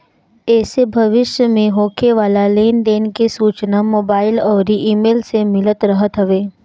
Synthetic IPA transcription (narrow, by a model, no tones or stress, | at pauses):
ɛːsebʱɐʋɪʃjəmẽɦoːkʰeʋaːlaleːnd̪eːnkesuːt͡ʃnamoːbaːɪlɔːɾiʔiːmeːlsemɪlət̪ɾəɦət̪ɦɐʋeː